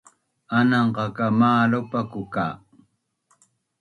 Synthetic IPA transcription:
anɑɴɢɑkamaːlopakʊkaː

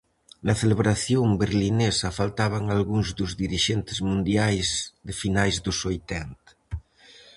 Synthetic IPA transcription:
nɐθeleβɾaθjombeɾlinesɐfalt̪aβ̞aŋalɣuŋzðʊzðiɾiʃent̪ɪzmũnd̪jajzðɪfinajzðʊsojt̪ɛnt̪ɐ̥

